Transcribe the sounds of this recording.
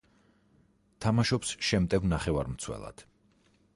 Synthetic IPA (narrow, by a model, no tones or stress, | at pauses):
t̪ʰamaʃɔpsʃɛmt̪ʼɛvnaχɛvaɾmt̪sʰwɛ̰lˠa̰d̪̥